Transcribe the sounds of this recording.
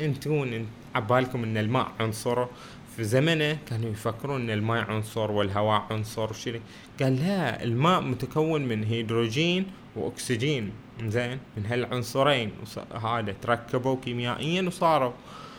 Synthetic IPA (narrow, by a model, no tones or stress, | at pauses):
ʔɪnt̪kuːn | ʕabːaːlkʊmʔɪnːalma̰ːʔʕʊnsˤʊɾˤu | fizamanakaːnujfakːɪɾuːnʔɪnːalmaːʔʕʊnsˤʊɾˤwɪlɦawaːʔʕʊnsˤʊɾˤwʃɪɾi | ɡ̥aːlːaɪ̰lmaːʔmʊt̪akawːɪnmɪnɦiːd̪ɾoːd͡ʒiːn | wʔʊ̰ksɪd͡ʒiːn | mɪnzeːnmɪnɦalʕʊnsˤɨɾeːnwsɦaːd̪at̪ɾˤɑkːabuwkiːmjaːʔɪjːanwsˤɑːɾˤu